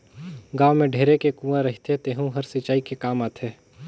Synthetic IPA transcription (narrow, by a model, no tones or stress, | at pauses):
ɡãːʋmẽɖʱeːɾekekũːaɾɐɦit̪ʰet̪eːɦũɦɐɾsɪt͡ʃaːikekaːmaːt̪ʰeː